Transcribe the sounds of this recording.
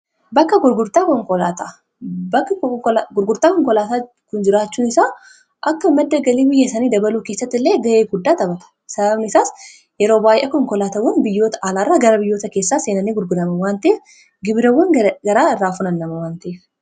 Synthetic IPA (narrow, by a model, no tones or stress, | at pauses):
bɐkːɐɡʊɾɡʊɾt̪aːkɔŋkɔlaːt̪ɐ | bɐkːɐɡʊɾɡʊɾt̪aːkɔŋkɔlaːt̪aː | kʊnd͡ʒɪɾaːt͡ʃːuːnɪsaː | ʔɐkːɐɪmːɐd̪ːɐɡɐliːbɪjːɐsɐniːd̪ɐbɐluːke̞ːsːɐt̪ːɪlːeːɡɐʔeːɡʊd̪ːaːt̪ʼɐbɐt̪ɐ̥ | sɐbɐbnɪɪsaːs | jɛɾo̞ːbaːjʔɛ̰kɔŋkɔlaːt̪ɐwːɔnbɪjːo̞ːt̪ɐʔaːlaːrːaːɡɐɾɐbɪjːo̞ːt̪ɐke̞ːsːaːseːnɐneːɡʊɾɡʊɾɐmɐwaːnt̪ɐe | ɡɪbɪɾɐwːɔnɡɐɾaːraːfʊnɐnːɐmɐwaːnt̪ɐe